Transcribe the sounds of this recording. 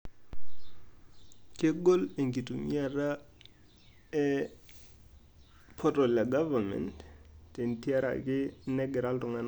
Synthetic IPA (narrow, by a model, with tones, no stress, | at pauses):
ke˦ɡo˦le˨ŋɡi˨tu˨mi˦a˨ɾa˦ | ɛ˦ | pʰɔ˦tɔ˨lja˨ɡava˨mɛ̰˨ntte˨nti˦a˦ɾa̰˨kɪ˦nɛ˦ɡɛ˨ɾa˦ltɔ˨ŋɛ˦n